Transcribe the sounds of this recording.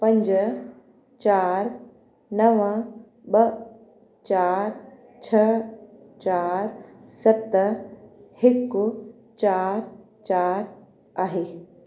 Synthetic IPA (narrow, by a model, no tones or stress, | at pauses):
pɐ̃ɲd͡ʑə | t͡ɕaːɾ | nɐʋə̃ | ɓɐ | t͡ɕaːɾ | t͡ɕʰɐ | t͡ɕaːɾsɐt̪ | hɪkʊ | t͡ɕaːɾ | t͡ɕaːɾ | aːɦeː